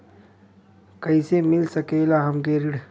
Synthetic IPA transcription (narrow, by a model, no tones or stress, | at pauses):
kɐisemɪlsəkelaɦɐmɡeɾɪɽ